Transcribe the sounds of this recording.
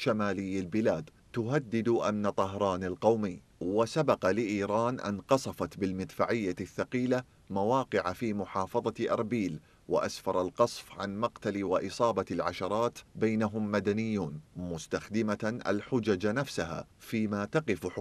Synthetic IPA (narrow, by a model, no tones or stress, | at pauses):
ʃamaːlɪjːalbɪlaːd̪ | t̪ʊɦad̪ːɪd̪ʔa̰mnat̪ˤɑɦɾˤɑːnalqɑwmɪː | wasabɑqɑlɪʔiːɾˤɑːnʔɪ̰nqɑsˤɑfɑt̪bɪlmɪd̪faʕɪjːaθːaqiːla | mawɑːqɪʕafiːmʊħɑːfɑðˤɑʔɑ̰ɾˤbiːl | wɪ̰ʔasfɑɾˤɑlqɑsˤfʕanmɑqt̪aliwɪʔɨsˤɑːbɑlʕaʃɑɾˤɑːt̪bajnaɦʊmːad̪anɪjːuːnmʊst̪axd̪ɪmaʔa̰lħʊd͡ʒad͡ʒanafsaɦa̰ːfiːmaːt̪ɑqɪfħ